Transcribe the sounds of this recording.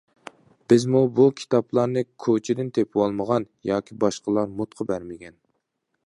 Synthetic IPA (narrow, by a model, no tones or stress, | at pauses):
b̥ɪzmubukʲʰi̥t̪ʰɑplˠɑɾnɨkʲʰot͡ʃʰɪd̪ɪnt̪ʰepʰwolˠməʁɑnjɑːkʲʰibɑʃqəlˠɑɾmut̪qʰəbæɾmɪɡʲɛn